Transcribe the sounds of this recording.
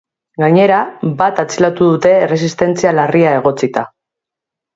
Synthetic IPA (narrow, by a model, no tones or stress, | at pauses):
ɡaɲe̞ɾabat̪at͡silat̪uðut̪e̞ːres̬ist̪e̞nt͡sialariae̞ɣ̞o̞t͡sit̪a